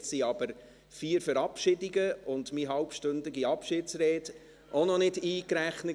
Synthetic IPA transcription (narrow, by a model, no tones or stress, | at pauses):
siɑb̥əɾ | fiːɾfəɾɑpʃɪdɪɡəʊndmiɦɑlpʃtɵndɪɡiɑpʃɪtsɾɛːt | ʔonɔnɪdiːkɾæχnə